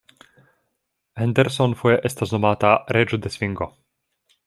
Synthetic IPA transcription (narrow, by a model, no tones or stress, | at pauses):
hɛnd̪ɛɾsɔnfuɛʔɛst̪aznɔmaːt̪aɾɛd͡ʒɔd̪ɛsʋiŋɡɔ